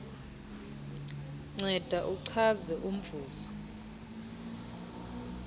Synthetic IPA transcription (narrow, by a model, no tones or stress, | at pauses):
ŋ͡ǀɛd̥ʱaʔuǀʰazɛʔum̩vʱuːzɔ